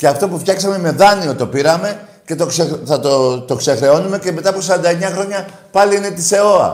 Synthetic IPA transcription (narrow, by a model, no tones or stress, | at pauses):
ceɐft̪o̞puft̪çɐksɐme̞me̞ðɐnio̞t̪o̞piɾɐme̞ | ce̞t̪okseθɐt̪ot̪o̞kse̞xɾe̞o̞nume̞ce̞me̞t̪ɐpos̬ɐɾɐnd̪ɐeɲɐxɾo̞ɲɐ | pɐliine̞t̪ise̞o̞ɐ̰